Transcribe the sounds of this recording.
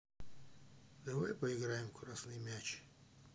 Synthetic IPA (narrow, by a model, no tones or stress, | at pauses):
d̪ɐvajpɐɪɡɾajɪmkʰʊɾasnɨjmʲat͡ɕ